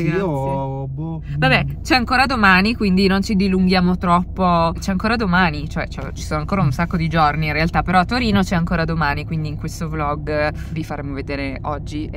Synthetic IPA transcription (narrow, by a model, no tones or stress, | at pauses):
b | vabɛt͡ʃɛaŋkoːɾad̪omaːnikwind̪inont͡ʃid̪iluŋɡjaːmot̪ɾɔpːot͡ʃɛaŋkoːɾad̪omaːnit͡ʃoɛt͡ʃɛ̰t͡ʃi̥soːnoaŋkoːɾaunsakːod̪id͡ʒorniːnrealt̪apːeɾɔt̪ːoɾiːnot͡ʃɛaŋkoːɾad̪omaːnikwind̪iːŋkwest̪oblɔɡ | vifaɾeːmoved̪eːɾeɔd͡ʒːi